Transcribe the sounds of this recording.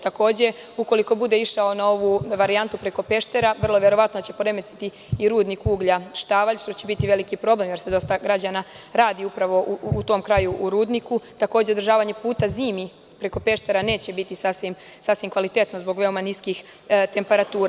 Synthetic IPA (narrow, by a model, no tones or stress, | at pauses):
t̪ako̞ːd͡ʑe̞ | uko̞liko̞bud̪e̞iʃao̞nao̞ʋuʋaɾiant̪upɾe̞ko̞pe̞ʃt̪e̞ɾaʋr̩lˠoʋje̞ɾo̞ʋat̪noat͡ɕe̞poɾe̞met̪i̥t̪i | iɾuːd̪nikuːɡʎaʃt̪aːʋaʎʃt̪o̞t͡ɕe̞bit̪iʋe̞likipɾo̞ble̞mjeɾsed̪o̞st̪aɡɾad͡ʑana | ɾaːd̪iupɾaʋo̞ʔuːt̪o̞mkɾajuʔuɾuːd̪nikut̪ako̞ːd͡ʑeod̪ɾʒaːʋaɲe̞puːt̪aziːmi | pɾe̞ko̞pe̞ʃt̪e̞ɾane̞ːt͡ɕe̞bit̪isasʋim | sasʋimkʋalit̪e̞t̪nozbo̞ɡʋe̞o̞maniskixt̪e̞mpe̞ɾat̪uːɾa